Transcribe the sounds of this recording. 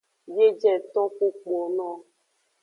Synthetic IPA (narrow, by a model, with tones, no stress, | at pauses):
je˦d͡ʒɛ˦˨t̪ɔ̃˦ku˦k͡pɔ˨nɔ̃˦˨